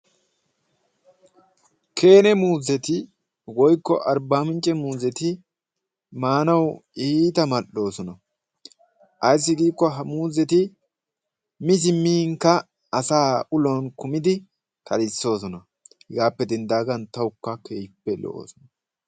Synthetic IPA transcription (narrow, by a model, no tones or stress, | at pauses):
kʰe̞ːnɛmuːzɛt̪ɪ | wɔjkːɔʔɐɾbaːmɪnt͡ʃʼːɛmuːzɛt̪ɪ | maːnɐwiːt̪ɐmɐɗo̞ːsɔnɐ | ʔɐjs̬ːɪɡiːkːɔɦɐmuːzɛt̪ɪ | mɪzɪmːiːŋkːɐ | ɐsaːʊlɔnkʊmɪd̪ɪ | kʰɐlɪsːo̞ːs̬ɔnɐ | hɡaːpːɛd̪ɪnd̪aːɡɐnt̪ɐʊkːɐkʰeːjpːɛlo̰o̰ːsɔnɐ